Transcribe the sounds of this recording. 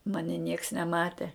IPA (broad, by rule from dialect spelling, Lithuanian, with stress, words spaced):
ˈmɑːnʲɪ nʲiɛks nʲɛˈmɑːtʲɛ